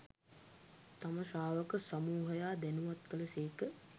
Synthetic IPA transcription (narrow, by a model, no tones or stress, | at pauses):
t̪aməʃaːʋəkəsamuːɦəjaːd̪ænuʋat̪̚kələseːkə